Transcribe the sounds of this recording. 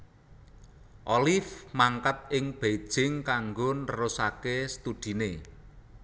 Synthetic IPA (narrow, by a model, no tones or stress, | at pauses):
ʔɔlɪfmaŋkat̪̚ɪŋb̥ed̥ʒ̥ɪŋkaŋɡonəɾʊsakest̪ud̪̥i̤ne